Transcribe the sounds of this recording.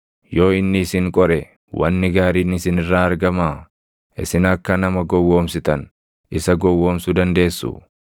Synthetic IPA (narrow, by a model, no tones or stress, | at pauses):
jo̞ːɪnːɪːsɪŋkʼɔɾɛ | wɐ̰nːɪɡaːɾiːnɪsɪnɪrːaːɐɾɡɐmaː | ʔɪ̰sɪnɐkːɐnɐmɐɡɔwːo̞ːmsɪt̪ɐn | ɪsɐɡɔwːoːmsʊd̪ɐnd̪e̞ːsːʊ̰